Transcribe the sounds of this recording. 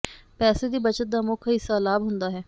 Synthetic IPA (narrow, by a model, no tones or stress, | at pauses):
pɛːseːd̪iːbət͡ʃət̪̚d̪aːmʊkʰɪsaːlaːbɦʊnd̪aːɦɛː